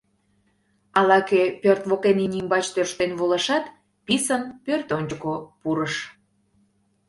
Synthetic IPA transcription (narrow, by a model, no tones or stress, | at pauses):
ɑlɑkepørt̪βokeninʲimbɑt͡ɕt̪ørʃt̪enβoləʃɑt̪ | pisənpørt̪onʲd͡ʑəkopuɾəʃ